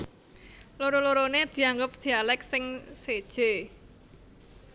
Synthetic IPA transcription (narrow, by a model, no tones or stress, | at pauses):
loɾoloɾoned̪̥i̤aŋɡʊp̚d̪̥i̤alɛk̚sɪŋsed̥ʒ̥e